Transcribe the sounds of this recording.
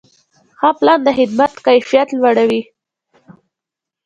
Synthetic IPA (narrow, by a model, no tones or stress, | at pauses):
hɑplɑnd̪əɦɪd̪mat̪kajfijat̪lwaɽawi